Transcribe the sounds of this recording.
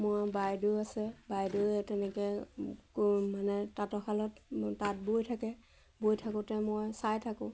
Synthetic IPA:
moɹbajduasɛbajdoɛtɛnɛkɛ | manɛtatɔkʰalɔttat̚bojtʰakɛ | bojtʰakʊtɛmojsajtʰakʊ̃

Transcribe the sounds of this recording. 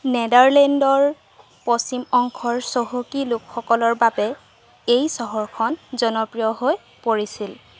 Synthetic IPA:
nɛdaɹlɛndɔɹ | pɔst͡ʃimɔŋkʰɔɹsoɦokilʊkxɔkɔlɔɹbabɛ | ejsɔɦɔɹkʰɔnzɔnɔpɹijɔɦoj | poɹisil

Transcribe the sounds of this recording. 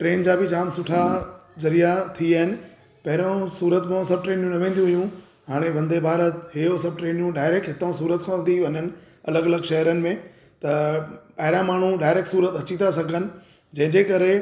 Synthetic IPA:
ʈɾeːnd͡ʑaːbɪd͡ʑaːmsʊʈʰazɐɾijat̪ʰiaːɦɪnɪ̆ | pɐɦɪɾõsuːɾət̪mãsɐb̚ʈɾeːnijũnɐʋẽːnd̪jũɦijũ | ɦaːɽ̃eʋɐ̃nd̪ebʱaːɾət̪ɦeːosɐb̚ʈɾeːnjũɖaːɪɾeːk̚ʈɦɪt̪õs̬uːɾət̪kʰãnd̪iʋɐɲənɪ̆ | ɐləɡɐləɡʃɐɦəɾənɪ̆mẽ | t̪ɐpɐɦɪɾãmaːɳ̤uɖaːɪɾeːk̚ʈsuːɾət̪ɐt͡ɕit̪asɐɡʱənɪ̆ | d͡ʑɐ̃ɦɪ̃ɲd͡ʑekɐɾe

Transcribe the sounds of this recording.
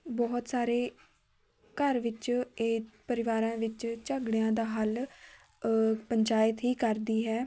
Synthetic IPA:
bɔːt̪saːɾeː | kəɾʋɪt͡ʃeːpəɾɪʋaːɾãːʋɪt͡ʃt͡ʃəɡɽejãːd̪aːɦəl | pəɲt͡ʃaːjət̪ɦiːkəɾd̪iːɦɛː

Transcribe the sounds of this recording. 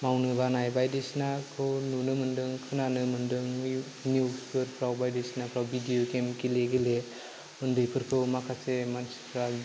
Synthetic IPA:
mawnɯbanajbajdisnakʰɯwnunɯmɯndɯŋkʰɯnanɯmɯndɯŋ | nuspʰɯɾpʰɾawbajdisnapʰɾawbidijokemkileɡɯle | mɯndɯjpʰɯɾkʰɯwmakʰasemanspʰɾa

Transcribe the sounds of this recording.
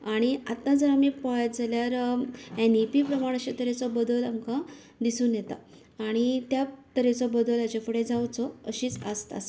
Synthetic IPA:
aɽ̃iat̪ːãd͡zəɾamiːpɔjd͡zaljaɾɛnipipɾəmaɽ̃əɕet̪əɾet͡sɔbəd̪əlamka | d̪isuːnjɛt̪aː | ɽ̃it̪jat̪əɾet͡sɔbəd̪əlat͡ɕefəɽed͡zawt͡sɔəɕiːt͡sə̰st̪a̰s

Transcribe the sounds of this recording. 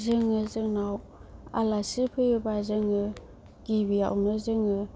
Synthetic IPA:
zɯŋɯzɯŋnaw | a̰lasipʰɯjɯbazɯŋɯ | ɡ̥ibija̰wnɯzɯŋɯ

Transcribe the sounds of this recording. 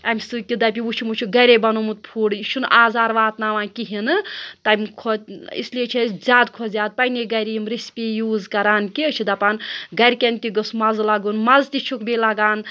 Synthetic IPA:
ɐmʲsɨkid̪ɐp̬ʲiʋut͡ʃʰimut͡ʃʰiɡɐjɾebɐnumut̪̚pʰuːɽʃʰunʔaːzaːɾʋaːt̪naʋãːkiɦinɨt̪ɐmkʰoḭsliet͡ʃʰezʲaːd̪kʰozʲaːd̪̚pɐjneɡɐjɾiimɾispʲijuːzkɐɾaːnkit͡ʃʰid̪ɐpaːnɡɐɾʲkent̪iɡɐsmɐzlɐɡunmɐzt̪it͡ʃʰukbelɐɡaːn

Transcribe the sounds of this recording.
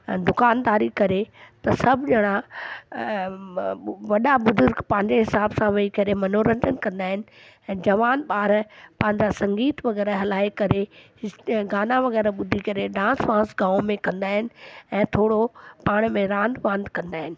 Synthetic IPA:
d̪ʊkaːnd̪aːɾikɐɾet̪ɐsɐbʱd͡ʑɐɽ̃a | ʋɐɗabʊzʊɾɡpɐ̃ɦɪ̃ɲd͡ʑeɦɪsaːbsãʋɐikɐɾemɐnoːɾə̃ɲd͡ʒənkɐ̃nd̪aːɦɪnɪ̆ | ɛ̃ːd͡ʑɐʋaːnɓaːɾpɐ̃ɦɪ̃ɲd͡ʑasɐ̃ŋɡiːt̪ʋɐɣɛːɾɦɐlaːikɐɾe | ɡaːnaʋɐɣɛːɾɓʊd̪ʱikɐɾeɖãːsʋãːsɡãːomẽkɐ̃nd̪aːɦɪnɪ̆ɛ̃ːt̪ʰoːɽopaːɽ̃mẽɾãːnd̪ʋãnd̪kɐ̃nd̪aːɦɪnɪ̆

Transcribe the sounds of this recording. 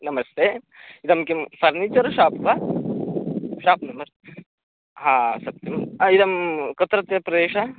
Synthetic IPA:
nɐmɐst̪eː | id̪ɐmkimfɐɾnit͡ʃɐɾʃaːpʋa | ʃaːpnɐmɐɾ | ɦaːsɐk̚t̪imid̪ɐmkɐt̪ɾɐt̪jɐpɾɐd̪eːʃa

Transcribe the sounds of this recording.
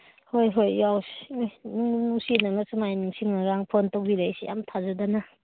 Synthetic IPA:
hojɦojjawsijmunumuŋsinaŋasɐmajniŋsiŋnaɾaŋpʰontowbiɾajsija̰mtʰazadanɐ

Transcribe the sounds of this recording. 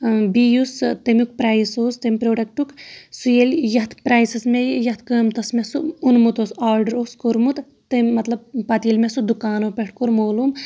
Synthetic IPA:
bijust̪emʲuk̚pɾajsoːst̪emʲpɾoːɖɐk̚ʈuksujeljɐt̪ʰpɾaːjsɐsmejɐt̪ʰkəːmt̪ɐsmesuunmut̪osaːɾɖɐɾoːskoɾmut̪ | t̪emʲːɐt̪lɐb̚pɐt̪ilmesud̪ukaːnoːpʲeʈʰkoɾmoːlum

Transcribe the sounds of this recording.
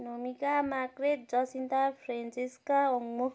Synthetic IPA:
nomikamakret̪̚d͡zʌsint̪apʰɾensiskaoŋmu

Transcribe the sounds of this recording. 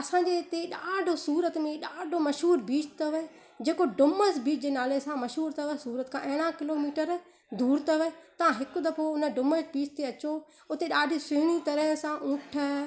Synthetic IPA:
ɐsãːɲd͡ʑet̪eɗaːɖʱosuːɾət̪mẽɗaːɖʱomɐʃɦuːɾbiːt͡ʃʰt̪ɐʋ | d͡ʑeːkoɖʊməsbiːt͡ʃʰd͡ʑeːnaːlesãmɐʃɦuːɾt̪ʰɐʋəsuːɾət̪kʰãʔɛ̃ːɽ̃ãkɪloːmiːʈəɾ | d̪uːɾt̪ɐʋet̪ɐʋãɦɪkʊ̆d̪ɐpʰoʊnəɖʊməsbiːt͡ʃʰt̪eɐt͡ɕo | ʊt̪eɗaːɖʱisʊɦɽ̃it̪ɐɾəɦsãʔʊ̃ːʈʰə

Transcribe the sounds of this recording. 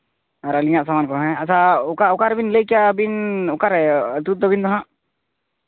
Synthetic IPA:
aɾaliɲaʔsamankɔɦɛ̃asʰaukaukaɾɛbinləjkɛjabinɔkaɾɛt̪ut̪̚d̪ɔbind̪ɔɦãʔ

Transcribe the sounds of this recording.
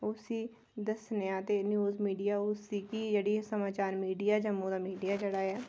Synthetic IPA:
ʊsiː | d̪əsnejãːt̪eːnjuːzmiːɖijaːʊsiːkiːd͡ʒəɽiːsəmaːt͡ʃaːɾmiːɖijaːd͡ʒəmːõːd̪aːmiːɖijaːd͡ʒəɽaːjaː

